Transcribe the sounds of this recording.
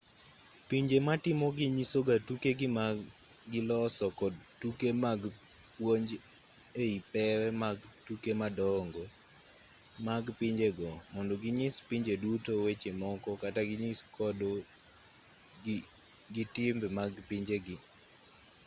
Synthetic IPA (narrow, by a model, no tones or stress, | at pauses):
piɲd͡ʒematɪmɔɡɪɲisoɡatukeɡɪma | ɡɪlɔsɔkɔdtukemaɡ | pwoɲd͡ʒ | eipɛɾɛmaɡtukemadɔŋɡo | maɡpiɲd͡ʒeɡɔmɔndɔɡɪɲɪspiɲd͡ʒedutowet͡ʃemɔkɔkataɡɪɲɪskɔdo | ɡɪtɪmbmaɡpiɲd͡ʒeɡɪ